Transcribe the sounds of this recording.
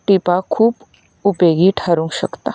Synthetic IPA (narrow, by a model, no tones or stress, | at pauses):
ʈipakʰuːb | ʊpeːɡiʈʰaɾũŋɡʃə̰kt̪a